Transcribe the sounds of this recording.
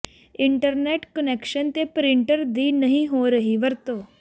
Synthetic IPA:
ɪ̃ɳʈəɾneːʈkəneːkʃənt̪epɾɪ̃ɳʈəɾd̪iːnɐɦĩɦoɾɐɦiʋɐɾt̪oː

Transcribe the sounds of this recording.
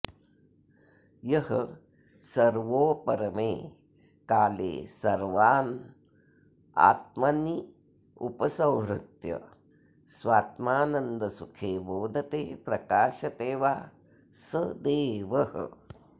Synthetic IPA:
jɐhɐ | sɐɾʋoːpɐɾɐmeː | kaːlḛːsɐɾʋaːn | a̰ːt̪̚mɐni | upɐsɐwɾut̪jɐ̰ | sʋaːt̪maːnɐnd̪ɐsukʰeːboːd̪ʱɐt̪eːpɾɐkaːʃɐt̪eːʋaː | sɐd̪eːʋɐhɐ̰

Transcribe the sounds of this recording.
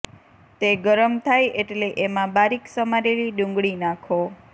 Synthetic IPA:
t̪eɡəɾəmt̪ʰajeʈleʔemãbaɾiksəmaɾeliɖũŋɡɭinãkʰo

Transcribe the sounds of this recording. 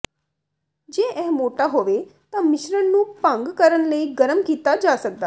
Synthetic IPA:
d͡ʒeːʔɛːmoːʈaːɦoːʋeːt̪ãːmɪʃɾənnũːpə̃ŋɡkəɾənləiːɡəɾəmkiːt̪aːd͡ʒaːsək̚d̪aː

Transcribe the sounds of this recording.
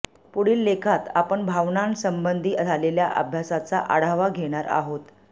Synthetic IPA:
puɽiːlːekʰat̪a̰pəɳbʱaʋnansəmbənd̪ʱiːd͡zaleljaʔə̰bʱjasat͡sa̰ʔaɽ̤aʋaɡʱeɽ̃aɾa̰ɦot̪

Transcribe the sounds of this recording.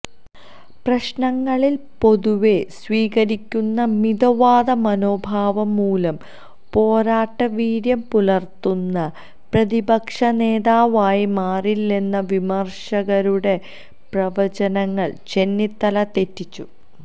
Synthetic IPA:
prɐɕnɐŋːɐɭilpo̞ðuʋe̞sʋiːɣɐɾikʲːunːɐmid̪ɐʋaːd̪ɐmɐno̞ːbʱaːʋɐmːuːlɐm | po̞ːɾaːʈːɐʋiːɾjɐmpulɐrt̪unːɐ | prɐðibɐkʂɐne̞ːðaːʋaːjimaːrilːenːɐʋimɐrʂɐɣɐɾuɽe̞ | prɐʋɐt͡ɕɐnɐŋːɐɭt͡ɕe̞nːit̪ːɐlɐt̪e̞tːit͡ɕːu

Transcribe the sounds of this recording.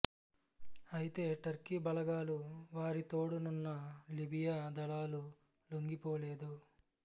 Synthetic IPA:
ɐjit̪e̞ːʈɐɾkibɐlɐɡaːluʋaːɾit̪o̞ːɽununːɐlibijaːd̪ɐlaːlu | loŋɡipoːleːd̪u

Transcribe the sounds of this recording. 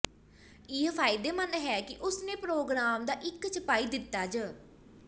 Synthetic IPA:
iːəpʰaːɪd̪eːmənɦɛːkɪʔʊsnẽːpɾoːɡɾaːmd̪aːʔɪkːt͡ʃʰəpaːiːd̪ɪt̪ːaːd͡ʒə

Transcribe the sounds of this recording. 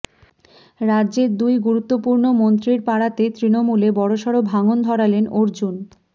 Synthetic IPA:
ɾadːʑeɾd̪ujɡuɾut̪ːopuɾnomont̪ɾiɾpaɽat̪et̪ɾinomulebɔɽoʃɔɽobʱaŋond̪ʱɔɾalenoɾd͡ʑun

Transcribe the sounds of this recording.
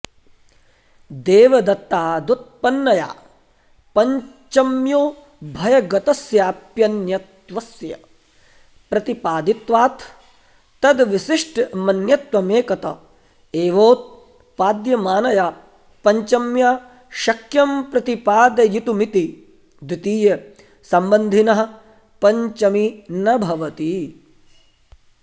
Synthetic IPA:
d̪eːʋɐd̪ɐt̪ːaːd̪ut̪̚pɐnːɐja̰ː | pɐɲ | t͡ʃɐmjoː | bʱɐjɐɡɐt̪ɐsjaːpjɐnjɐt̪ʋɐsjɐ̰ | pɾɐt̪ipaːd̪it̪ʋaːt̪ʰː | ɐd̪ʋiʃiʂʈmɐnjɐt̪ʋɐmeːkɐt̪ɐ̰ | eːʋoːt̪̚ | paːd̪jɐmaːnɐjaː | pɐɲt͡ʃɐmja | ʃɐkjɐmpɾɐt̪ipaːd̪ɐjit̪umit̪i | d̪it̪iːjɐ | sɐmbɐnd̪ʱinɐɦɐ̆ | pɐɲt͡ʃɐminɐbʱɐʋɐt̪i

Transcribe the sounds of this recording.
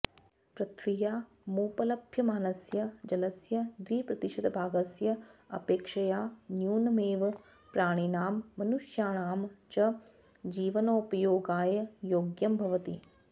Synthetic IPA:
pɾɐt̪ʰʋijaː | muːpələbʱjɐmaːnɐsjɐd͡ʒɐləsjɐd̪ɾiːpɾɐt̪ɪʃɐt̪bʱaːɡəsjɐɐ̰peːkʃɐjaːnjuːnmeːʋ | pɾaːɽ̃inaːmːɐnuʃjaːnaːmt͡ʃɐ | d͡ʒiːʋənoʊpɐjoːɡaːjəjoːɡjɐmbʱɐʋət̪ḭː

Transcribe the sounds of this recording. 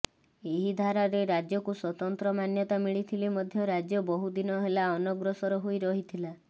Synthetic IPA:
eɦid̪ʱaɾaɾeɾad͡ʒjɔkuswɔt̪ɔnt̪ɾɔmanjɔt̪amiɭit̪ʰilimɔd̪ʱjɔɾad͡ʒjɔbɔɦud̪inɔɦelaɔnɔɡɾɔsɔɾɔɦojɾɔɦit̪ʰila

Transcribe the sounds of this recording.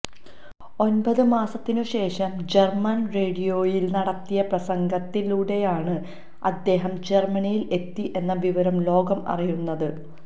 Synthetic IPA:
o̞nbɐðɨmaːsɐt̪ːinuɕe̞ːʂɐmd͡ʑermɐnre̞ːɖijo̞ːjilnɐɽɐt̪ːijɐprɐsɐŋɡɐt̪ːiluːɽe̞jaːɳɨ | ɐd̪ːe̞ːɦɐmd͡ʑe̞rmɐnijile̞t̪ːiʔe̞nːɐʋiʋɐɾɐmlo̞ːɡɐmɐ̰rijunːɐðɨ

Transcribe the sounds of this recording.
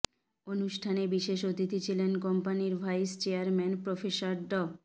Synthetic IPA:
onuʃʈʰanebiʃeʃot̪it̪ʰit͡ɕʰilenkɔmpaniɾbʱajst͡ɕeaɾmɛnpɾofeʃaɾɖɔ

